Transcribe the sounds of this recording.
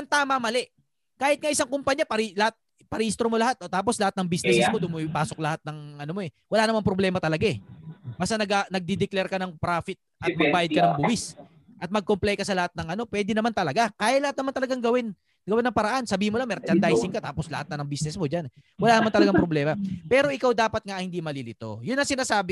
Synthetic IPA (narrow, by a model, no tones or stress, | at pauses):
ʔɐŋt̪aːmɐmɐlɛʔ | kaːhɪt̪̚ŋɐʔɪsaŋkompɐɲːapɐɾilɐhat̪̚ | pɐɾiʔist̪ɾomolɐhat̪̚ot̪aːpo̞slɐat̪nɐŋbisnɛsɛsmod̪ʊmipaːsok̚lɐhat̪̚nɐŋʔɐnomo̞ɛ | wɐlanɐmanpɾoblɛːmɐt̪ɐlɐɡaɛbɐsanɐɡanɐɡ̚d̪id̪ɛklɛɾkɐnɐŋpɾaːfɪt̪̚ʔɐt̪̚mɐɡ̚baːjɐd̪̚kɐnɐŋbʊwis | ʔɐt̪̚mɐɡ̚komplɛjkɐsɐlɐhat̪̚nɐŋʔɐno̞pwɛːd̪ɪnɐmant̪ɐlɐɡakaːjaɐlɐhat̪̚nɐmant̪ɐlɐɡaŋɡɐwɪn | ɡɐwɛnːɐŋpɐɾɐʔansɐbiːhɪnmolaŋmɛɾt͡ʃɐnd̪ajsɪŋkat̪aːposlɐ̰hat̪̚nɐnɐŋbisnɛsmod͡ʒanɛwɐlanɐmant̪ɐlɐɡaŋpɾoblɛːmɐpɛːɾo̞ʔɪkawd̪aːpɐt̪̚ŋahɪnd̪imɐlilɪt̪o̞̰jʊnːɐŋsɪnaːsaːbɪ